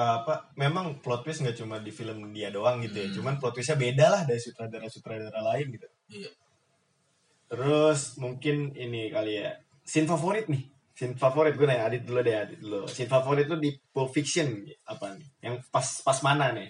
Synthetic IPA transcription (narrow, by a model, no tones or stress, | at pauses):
aːpamemaŋplɔt̪̚wɪsŋɡat͡ʃumadifiləmdiadoaŋɡit̪ujat͡ʃumanplɔt̪̚wɪs̬ɲabedalahdaɾisut̪ɾadaɾasut̪ɾadaɾalaɪnɡit̪u | t̪əɾʊsmuŋkɪninikalija̰ | sɪnfafoɾɪt̪̚nɪh | sɪnfafoɾɪt̪̚ɡunajadɪt̪̚duluadɛadɪt̪̚dlosɪnfafoɾɪt̪̚ludipofiksiənapanɪjaŋpaspasmananɪ